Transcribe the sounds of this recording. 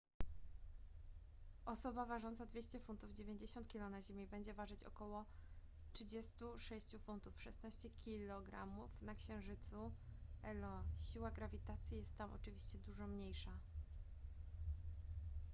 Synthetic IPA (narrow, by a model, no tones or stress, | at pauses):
ʔɔsɔbavaʐɔnt̪sad̪vʲjeɕt͡ɕɛfunt̪uvd͡ʑevʲjeɲd͡ʑeɕɔnt̪̚kʲilɔnaʑimʲibɛɲd͡ʑɛvaʐɘt͡ɕɔ̰kɔwɔ | tʂɘd͡ʑɛst̪uʂɛɕt͡ɕufunt̪ufʂɛsnaɕt͡ɕɛkʲʰilɔɡɾa̰mufnakɕɛ̃w̃ʐɘt̪suɛlɔɕiwaɡɾavʲit̪at̪sʲjijɛst̪ːamʔɔ̰t͡ʂɘvʲiɕt͡ɕɛd̪uʐɔmɲejʂa